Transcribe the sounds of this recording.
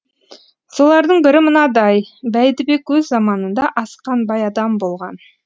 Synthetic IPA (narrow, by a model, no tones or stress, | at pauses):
so̞lˠɑɾd̪əɴbɪɾɪmənɑd̪ɑjbæjd̪ɪbe̞kwɵzːɑmɑnənd̪ɑʔɑsqɑnbɑjɑd̪ɑmbo̞lˠʁɑ̰n